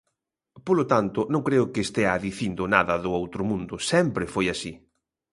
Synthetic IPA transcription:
polʊt̪ant̪ʊnõŋkɾeʊkɪːst̪eaðiθind̪ʊnaðɐðʊowt̪ɾʊmũnd̪ʊsɛmpɾɪfojasi

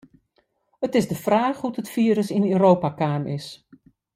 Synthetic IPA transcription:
ətɪzdəfraːxhutətfiəɾəsinøːɾoːpakaːmʔɪs

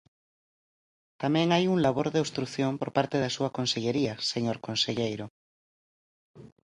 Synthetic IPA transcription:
t̪amẽŋajuŋlaβ̞oɾðeost̪ɾuθjompoɾpaɾt̪eðasuakonseʎeɾiaseɲoɾkonseʎejɾo

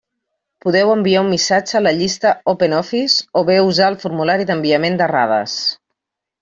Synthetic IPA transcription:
puðɛwəmbiaumːisad͡ʒəːləʎist̪əɔpenɔfisoβeuzaəlˠfuɾmulaɾiðəmbiəmend̪əra̰ð̞ə̰s

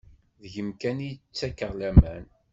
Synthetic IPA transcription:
ðʝəmkænit͡sːækəʁlæmæn

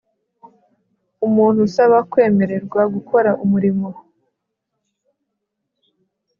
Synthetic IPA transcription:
umuːn̥husaβakwe̞ːme̞ɾe̞ɾɡwaɡukʰo̞ɾaʔumuɾimo

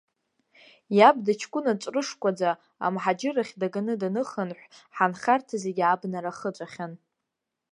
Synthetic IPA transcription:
jab̚dat͡ʃʰkʷʼʊnat͡ʃʷʼrɨʂkʷʼad͡za | a̰mħad͡ʒɪraχʲdaɡanɨdanɨχənħʷħanχʲartʰazeɡʲabnaɾaχət͡ʃʷʼaχʲan

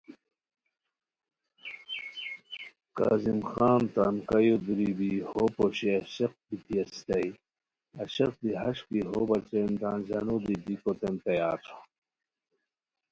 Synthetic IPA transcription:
ka̰ːzimxaːnt̪ɾamkɐjod̪uɾibihopoɕiɐɕeq̚bit̪iɐst̪ɐj | ɐɕɐq̚b̪iɦɐɕkiɦobɐɾt͡send̪aːnzanod̪id̪ikot̪ent̪ɐjaːto̥

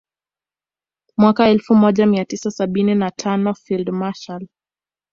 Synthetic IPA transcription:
mwakaɛlfumɔʄamiatisasaɓininatʰanɔfildmaʃal

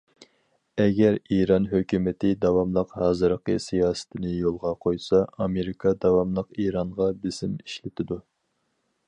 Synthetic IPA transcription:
ɛɡʲɛɾiɾɑnɦøkʲymɪt̪ʰɪd̪ɑwɑmlˠəqhɑːzɨɾəqəsijɑːsɪ̥t̪ʰɪnɪjolˠʁɑqʰojsɑɑmeɾɪkʰɑd̪ɑwɑmlˠəqiɾɑɴʁɑbɪz̥ɪmiʃlɪt̪ʰɪd̪u

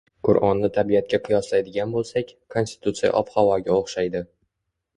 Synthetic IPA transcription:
qʰʊɾʔɒnːɪt̪ʰaɾbijat̪̚kʲaqʰʊjɒslajd̪ɪɡʲanbolˠsakʲkʰo̞nst̪ɪ̥t̪ʰut̪sija̰ʔɒphɒvɒɡʲaoχʃajd̪ɪ

